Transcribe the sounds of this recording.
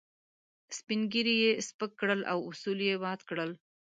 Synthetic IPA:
spinɡiɾijespəkːɽəlʔa̰wʊsuljebɑd̪kɽəl

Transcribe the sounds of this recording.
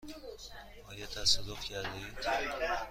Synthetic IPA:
ɒːjɑt̪ʰæsad̪ofcʰæɾd̪eid̪

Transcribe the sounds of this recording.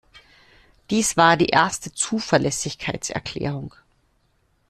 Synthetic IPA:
d̥iːsv̥aːɐdiːʔeɐstət͡suːfɛɐlɛsɪçkʰaɪt͡sɛ̰ɐkʰl̥ɛ̰ːʁʊŋ

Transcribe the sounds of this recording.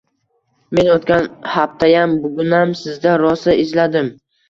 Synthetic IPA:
me̞not̪kʲanhaft̪ʰajambʊɡʲʊnamsɪzd̪aɾɒsaʔɪzlad̪ɪm

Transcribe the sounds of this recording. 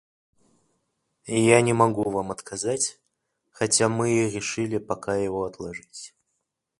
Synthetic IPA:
ijanʲɪmɐɡuvamɐt̪kʰɐzatʲ | xɐtʲamɨɾʲɪʂɨlʲɪpɐkajɪvoɐt̪lˠɐʐɨtʲ

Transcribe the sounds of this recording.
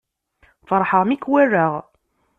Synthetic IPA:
fəɾˤħəʁmikːwærːaʁ

